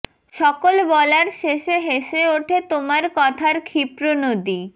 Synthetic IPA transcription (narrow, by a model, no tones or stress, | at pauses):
ʃɔkolbɔlaɾʃeʃeɦeʃeoʈʰet̪omaɾkɔt̪ʰaɾkʰipɾonod̪i